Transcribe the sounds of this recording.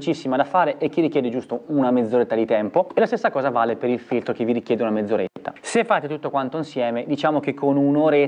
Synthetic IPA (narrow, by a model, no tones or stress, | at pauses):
t͡ʃisːimad̪afaːɾeʔek̟ːirːikjɛːd̪ed͡ʒust̪ounamed̪zoɾet̪ːad̪it̪ɛmpoelast̪esːakɔːzavaːlepeɾilfilt̪ɾok̟eviɾikjɛːd̪eunamed̪zːoɾet̪ːa̰sefːaːt̪et̪ut̪ːokwant̪oinsjɛːmed̪it͡ʃaːmok̟ekʰːonunoɾe